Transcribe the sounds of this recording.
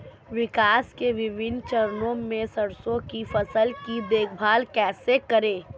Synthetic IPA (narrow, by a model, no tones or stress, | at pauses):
ʋɪkaːskeʋɪʋɪnt͡ʃɐɾnõmẽsɐɽsõkifɐsəlkid̪eːkʰbʱaːlkɛːsekəɾẽː